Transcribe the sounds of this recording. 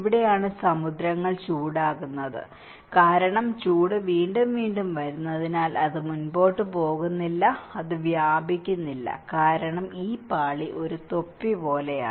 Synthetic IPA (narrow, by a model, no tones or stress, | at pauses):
iʋiɽe̞jaːɳɨsɐmud̪ɾɐŋːɐɭt͡ɕuːɽaːɣunːɐðɨ̰ | kaːɾɐɳɐmt͡ɕuːɽɨʋiːɳɖumʋiːɳɖumʋɐɾunːɐðinaːlɐðɨmunbo̞ːʈːɨpo̞ːɣunːilːɐɐðɨʋjaːbikʲːunːilːɐ̰kaːɾɐɳɐmiːpaːɭiʔo̞ɾut̪o̞pːipo̞ːle̞ja̰ː